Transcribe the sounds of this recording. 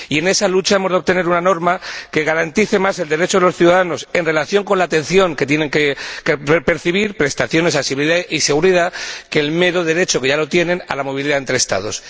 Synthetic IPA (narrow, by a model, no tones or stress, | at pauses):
ie̞ne̞salut͡ʃaemo̞zð̚t̪e̞ne̞ɾunano̞ɾmake̞ɣ̞aɾant̪iθe̞mase̞ld̪e̞ɾe̞t͡ʃoelo̞sθjuðaðano̞se̞nre̞laθjo̞ŋko̞nlaːt̪e̞nθjo̞ŋke̞t̪je̞ne̞ŋkekepe̞ɾθiβ̞iɾpɾe̞st̪aθjo̞ne̞sasiβliðaise̞ɣuɾiðake̞lme̞ɾo̞ðe̞ɾe̞t͡ʃo̞ke̞ʝalo̞t̪je̞nẽ̞na̰lamo̞β̞iliðae̞nt̪ɾest̪a̰ð̞o̞s